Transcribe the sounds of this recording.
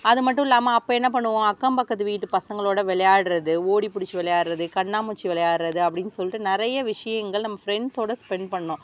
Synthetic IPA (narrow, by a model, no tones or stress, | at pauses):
ɐðɯmɐʈːʊ̃ɪlːaːmɐːpːoɐːɛnːɐp̬ɐɳːɯʋõɐkːɐmpɐkːɐt̪ːɯʋiːʈːɯpɐsɐŋɡɐɭoːɽɐʋɛɭɐjaːɽɯɾɐðɯoːɽipʊɽɪt͡ʃːɯʋɛlɐjaːɽɯɾɐðɯkɐɳːaːmʊt͡ʃːɯʋɛɭɐjaːɽɯɾɐðɯɐp̬ːɐɽɪnɯsɔlːɪʈːɯnɪɾɐjɐʋɪʂɐjɐŋɡɐɭnɐmːɐfɾɛɳɖsoːɽɐspɛɳpɐɳːõː